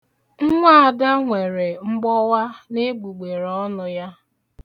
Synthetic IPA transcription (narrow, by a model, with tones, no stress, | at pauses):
ŋ̩˦ŋʷa˦a˨da˦ŋʷe˨ɾe˨ŋ͡m̩˦ɡ͡bɔ˦wa˦ne˦ɡ͡bu˨ɡ͡be˨ɾɔ˦nʊ˦ja˦